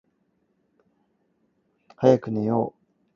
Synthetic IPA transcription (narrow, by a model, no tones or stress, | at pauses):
hajakɯ̟nejo̰ː